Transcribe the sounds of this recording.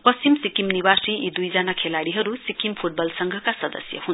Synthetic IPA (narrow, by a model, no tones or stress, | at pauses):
pʌst͡simsikimniwasriid̪ujd͡zanakʰelaɽiɦʌɾusikimpʰuʈ̚bʌlsʌŋɡʱʌkasʌd̪ʌ̰sjʌ̰ɦun